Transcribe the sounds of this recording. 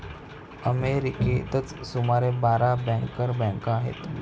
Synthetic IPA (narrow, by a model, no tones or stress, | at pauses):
əmeɾiket̪ət͡ssumaɾebaɾabɛ̃ŋkəɾbɛ̃ŋkaɦḛt̪